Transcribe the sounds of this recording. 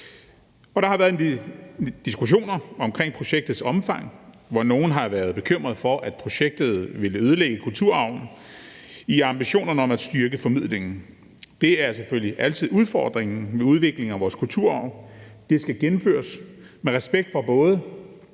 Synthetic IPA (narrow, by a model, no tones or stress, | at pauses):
ɒ̽ɾ̥ɑ̈hɑ̈ʋæːɐð̩ˠe | d̥isɡ̥uɕ̬o̝̰ːnɐɒ̽mkʰʁeŋ̰pʰʁo̝ɕeɡ̥̚d̥ð̩ˠsɒ̽mfɑ̈ŋ̰ | ʋɒno̝ːn̩ɦɑ̈ʋæːɐð̞ˠb̥e̝kʰøm̰ʁɐðˠfɒ̽ʔæd̥̚pʰʁo̝ɕeɡ̥̚d̥ð̩ˠʋe̝ləøð̞ˠəleɡ̥əkʰult͡sʰuɐ̰ɑ̈ʊ̰n̩ | iɑ̈mbiɕo̝̰ːnɐnəɒ̽mæd̥sd̥yɐɡ̥əfɒ̽mið̞̰ˠleŋn̩ | d̥e̝æɐsefølliʔæl̰t͡sʰið̞̰ˠuð̞ˠfɒ̰ːd̥ʁeŋn̩ʋe̝uð̞ˠʋe̝ɡ̥le̝ŋ̩æʋɒːskʰult͡sʰuɐ̰ɑ̈ʊnd̥e̝sɡ̥æɡ̥enm̩fø̰ːɐsmeʁɛsb̥eɡ̥̚d̥fɒb̥ɔ̽ːð̞ˠə